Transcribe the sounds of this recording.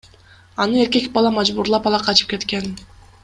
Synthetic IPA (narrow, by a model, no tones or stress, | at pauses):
ɑnɯe̞ɾke̞kbɑlˠɑmɑd͡ʒbuɾlˠɑpɑlˠɑqʰɑt͡ʃɯ̥p̚ke̞t̪ke̞n